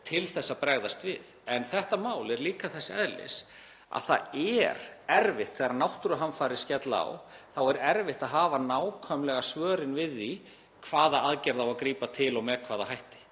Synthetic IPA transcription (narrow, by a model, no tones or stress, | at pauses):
t̪ʰɪlθɛsːapɾɛɣðast̪vɪðɛnθɛht̪amaːwlɛɾliːkaθɛsːaɛðlɪ̰s | a̰ðθa̰ðɛɾɛɾvɪht̪θɛɣɾaɾnawht̪ɾʏɦanfaːɾɪ̥scɛt̪laa̰wθawɛɾɛɾvɪht̪aðɦaːvanaːwkʰœmlɛɣasvœːɾɪnvɪðːi | kʰvaːðaaðcɛɾðawakɾiːpat̪ʰɪlɔɣmɛkʰv̥aːðahajht̪ɪ̥